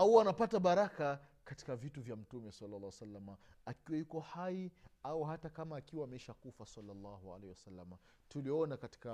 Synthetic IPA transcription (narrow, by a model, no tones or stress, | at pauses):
auanapataɓaɾaka | kati̥kavituvjam̩tumɛsalːalːaːwsalːamaakiwajukɔhaiauhatakamaːkiwaːmɛiʃakufasalːalːɑhua̰lɛhɛwasalːama | tuliɔnakati̥ka